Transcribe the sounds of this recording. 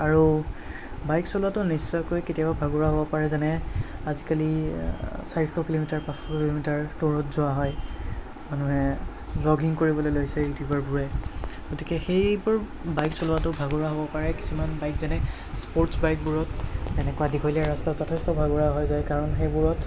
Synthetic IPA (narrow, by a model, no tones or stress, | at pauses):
aɹu | bajksɔlʊatʊnisːɔjkojketijababʱaɡʊɹaɦobɔpaɹɛzanɛazikali | saɹixɔkilomitaɹpãsxɔkililomitaɹtoɹɔtzʊaɦɔj | manuɦɛ | bɹɔɡiŋkoɹibɔlojloɡisɛjutibaɹbuɹɛɡ̥otikɛxejbʊɹ | bajksɔlʊatʊbʱaɡʊɹaɦobɔpaɹɛki̥sumanbajkzanɛ | spoɹtsbajk̚buɹɔtɛnɛkʊwadikʰɔliaɹastazɔtʰɛstɔbʱaɡʊɹaɦɔjzajkaɹɔnxejbuɹɔt